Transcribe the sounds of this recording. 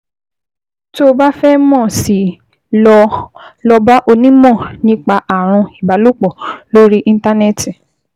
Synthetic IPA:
to˦ba˦fɛ˦mɔ̃˦˨si˨˦ | lɔ˧lɔ˧ba˦ʔo˧nĩ˦mɔ̃˦˨nĩ˦k͡pa˧ʔa˨ɾ̃ɔ̃˧i˨ba˨˦lo˦k͡pɔ˨lo˦ɾi˦ʔĩ˧n̩˦ta˦nɛ˦˨ti˨

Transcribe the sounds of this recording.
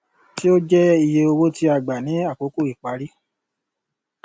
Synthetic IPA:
ti˦o˦d͡ʒɛ˦i˧je˧o˧wo˦ti˧˦a˧˨ɡ͡ba˨nĩ˨˦a˦˨k͡po˨˦ku˦˨i˨k͡pa˨˦ɾi˦

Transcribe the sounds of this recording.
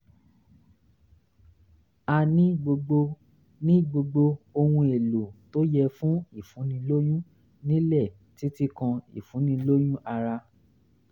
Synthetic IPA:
a˧nĩ˦ɡ͡bo˧ɡ͡bo˧ | nĩ˦˨ɡ͡bo˧ɡ͡bo˧o˧hũ˧e˨lo˨to˦jɛ˧fũ˦i˦˨fũ˨˦nĩ˧lo˦jũ˦ | nĩ˦lɛ˦˨ | ti˦ti˦kã˧ḭ˨fũ˨˦nĩ˧lo˦jũ˦ʔa˧ɾa˧

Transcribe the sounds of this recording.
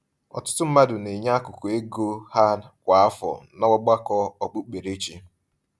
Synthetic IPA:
ɔ̰˨tʊ̥˦tʊ˦m̩˦ma˦dʊ˨ne˨ɲa˦a˦kʊ˨kʊ˨e˦ɡo˦ha˦kʷa˨a˦fɔ̰˨nɔ˦wɔ˦ɡ͡ba˦kɔ˦ɔ˨k͡pʊ˦k͡pe˨ɾe˦t͡ʃi˦

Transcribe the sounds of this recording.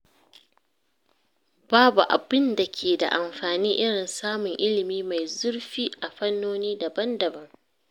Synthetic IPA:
baː˦bu˨ʔa̰˨bɪ˦nda˨kʲʰeː˨da̰˨ʔa˨mɸaː˨niː˦ʔɪ˦ɽɪ˨nsaː˦mʊ˨ŋʔɪ˦lɪ˨miː˦ma˨jzʊ˦rɸiː˦ʔa˨ɸɐ˦nːoː˦niː˦da˨bɐ˦ndɐ˨bɐ˦ŋ

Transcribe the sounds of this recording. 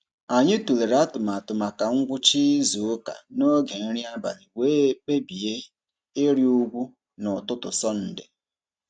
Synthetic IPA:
a˨ɲɪ˦tu˨le˨ɾa˦tʊ˨ma˨tʊ˨ma˨ka˨ŋ̩˦ɡʷʊ˦t͡ʃi˦zu˨ʊ˦ka̰˨no˦ɡe˨n̩˦ɾi˦a˦ba̰˨nɪ˨weː˦k͡pe˦bi˨je˦ | ɪ˦ɾjo˦ɡʷu˦ | nʊ˨tʊ˦tʊ̰˨sɔ˦n̩˦dɪ̰˨

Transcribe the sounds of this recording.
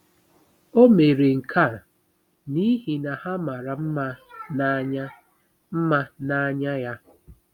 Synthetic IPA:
o˦me˨ɾe˨ŋ̩˨kʰa˦˨ | ni˦ɦi˨na˨ha˦ma˨ɾa˨m̩˦ | m̩˦ma˦na˨˦ɲa˦ja˦

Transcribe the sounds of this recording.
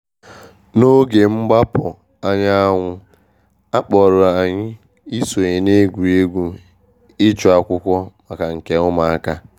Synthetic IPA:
no˦ɡe˨ŋ͡m̩˦ɡ͡ba˦pɔ˨ | a˦ɲa˦a˦ŋʷʊ˦ | a˦k͡pɔ˨ɾʊ˨a˨ɲɪ˦ | i˦so˨e˨ɲe˨ne˦ɡʷu˨e˦ɡʷu˦ | ɪ˦t͡ʃʊ˨a˨kʷʊ˦kʷɔ˦ma˨ka˨ŋ̩˨ke˨ʊ˦ma˨a˦ka˦

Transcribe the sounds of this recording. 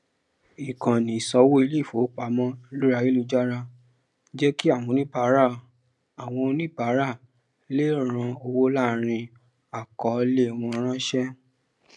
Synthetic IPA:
i˨kã˨nĩ˨sɔ˧˦wo˦i˧le˦˨fo˨˦k͡pa˧mɔ̃˦lu˦ɾa˧ji˦lu˧d͡ʒa˦ɾa˧ | d͡ʒɛ˦ki˦a˦˨w̃ɔ̃˧nĩ˦ba˨˦ɾa˦˨ | a˨w̃ɔ̃˧nĩ˦ba˨˦ɾa˦˨ | le˦ɾ̃ã˧o˧wo˦la˦˨ɾ̃ĩ˧ | a˨kɔ˨˦˧le˦˨w̃ɔ̃˧ɔ˧˦ɾ̃ã˦ʃɛ˦

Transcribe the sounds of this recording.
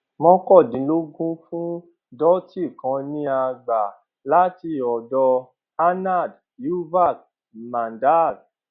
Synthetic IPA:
mɔ̃˧˦kɔ˦˨dĩ˨˦lo˦ɡũ˦fũ˦ | dɔ˦ti˦˨kã˧nĩ˧˦a˧ɡ͡ba˨ | la˦ti˧ɔ˨dɔ˧ | a˦na˦˨d | ju˦va˦˨k̚ | mã˨nda˦˨d̚

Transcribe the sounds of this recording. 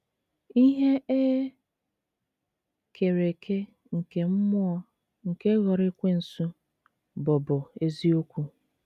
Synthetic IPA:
i˦ɦe˦e˦ | kʰe˨ɾe˨kʰe˦ | ŋ̩˨ke˨m̩˦mʊ˦ɔ˦ | ŋ̩˨ke˦ɣɔ˨ɾɪ˦kʷe˦n̩˨su˦ | bʊ˨bʊ˨e˦zi˦o˦kʷu˦

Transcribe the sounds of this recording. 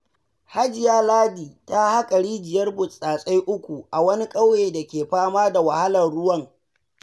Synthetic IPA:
ha˦d͡ʒɪ˨jaː˦laː˦diː˨ta˦ha˦kʼɐ˨ɽiː˦d͡ʒɪ˨jɐ˦rbʊ˨sʼaː˨sʼa˦jʔʊ˦kʷu˨ʔa˨wɐ˦ni˦kʼa˦wjeː˨da˨kʲeː˨ɸaː˦maː˦da˨wa˨ha˦lɐ˨nɽʊ˦wɐ˦ŋ

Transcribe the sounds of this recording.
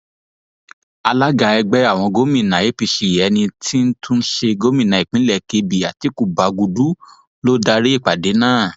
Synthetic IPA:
a˧la˦ɡa˧ɛ˧ɡ͡bɛ˦a˦˨w̃ɔ̃˧ɡo˦mĩ˨nã˨je˨˦pi˧ʃi˨˧˨jɛ˨˦nĩ˧ti˦n̩˦tʰũ˦n̩˦ʃe˧ɡo˦mĩ˦˨nã˨i˨k͡pĩ˨˦lɛ˦˨ke˧˦bi˨a˨ti˨˦ku˦˨ba˨˦ɡu˧du˨˦ | lo˦da˧ɾe˦i˦˨k͡pa˨de˨˦nãː˦˨

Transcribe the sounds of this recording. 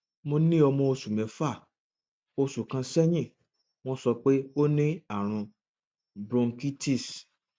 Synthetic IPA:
mo˧˦nĩ˦ɔ˧mɔ̃˧o˧su˨mɛ̃˨˦fa˦˨ | o˧su˨kã˧sɛ˦j̃ĩ˦˨ | w̃ɔ̃˦sɔ˧k͡pe˦o˦nĩ˦a˦˨ɾ̃ũ˧ | bɾɔ̃˧ŋki˦ti˦˨s

